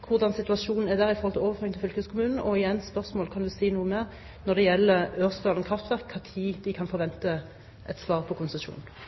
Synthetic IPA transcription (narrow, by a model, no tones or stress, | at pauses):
kʰʊʁd̪ɑnsɪt̪ʉɑʂuːnn̩æʁd̪æʁɪfɔʁhɔlt̪ɪoːʋəføːɾɪŋt̪ʰɪlfʏlkʰøskʰʊmʉːnn̩ɔɪjɛnspœʁsmoːlkʰɑnd̪ʉsiːnuːəmeːʁ | nɔʁd̪ɛjɛlːəøːʁsd̪ɑːlənkʰʁɑft̪ʰʋæʁkʰːɑt̪ʰiːd̪ɪkʰɑnfɔʁʋɛnt̪ə | ʔɛt̪sʋɑːʁpʰɔkʰʊnsɛʂṵːnn̩